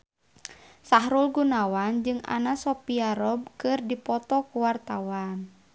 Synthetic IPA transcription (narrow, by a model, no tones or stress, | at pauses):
saɦɾulɡunawand͡ʒɨŋa̰nasɔpiaɾɔb̚kɨrdipɔt̪ɔkuwart̪awan